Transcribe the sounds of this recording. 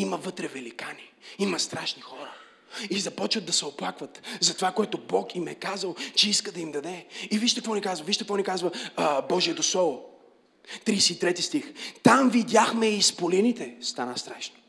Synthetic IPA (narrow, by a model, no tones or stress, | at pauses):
imɐvɤt̪ɾɛvɛlikani | imɐst̪ɾaʃnixɔɾə | izɐpɔt͡ʃvəd̪ːɐsɛoplˠakvɐt̪zɐt̪ovakoɛt̪obɔkimɛkazəlˠt͡ʃɛiskəd̪ɐimd̪ɐd̪ɛiviʃt̪ɛkvɔnikazvɐviʃt̪ɛkvɔnikazvəbɔʒiɛt̪osˠɔvʊ | t̪ɾisɛit̪ɾɛt̪ist̪ixt̪amvid̪ʲaxmɛiːspolinit̪ɛst̪anəst̪ɾaʃno̥